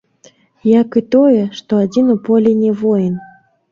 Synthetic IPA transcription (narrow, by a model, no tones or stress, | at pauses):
jakɨt̪ojɛʂt̪oad͡zʲinupolʲenʲɛvojn